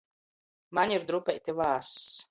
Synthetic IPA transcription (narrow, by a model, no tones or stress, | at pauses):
maɲʲiɾd̪ɾupʲɛjt̪ʲivaːɾs